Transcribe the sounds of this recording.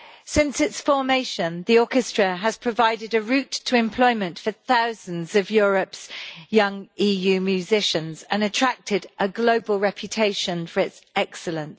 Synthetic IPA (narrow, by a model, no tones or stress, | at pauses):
sɪ̃nsɪtsfɔːmeɪʃə̃nðiɔˑkɪstɹ̥əəz̥pʰɹ̥əvaɪdɪdəɹʉˑtʰəɪ̃mpʰl̥ɔɪmə̃ntfəθaʊz̥ə̃nzəvjɔːɹəpsjʌ̃ŋiːjʉːmjʉzɪʃə̃nzə̃nətʰɹ̥ak̚tʰɪdʔəɡləʊbəlˠɹɛpʰjətʰeɪʃə̃nfəɹɪtsɛksələ̃ns